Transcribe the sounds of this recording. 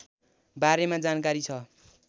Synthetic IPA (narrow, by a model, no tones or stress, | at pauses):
baɾemad͡zankaɾit͡sʰʌ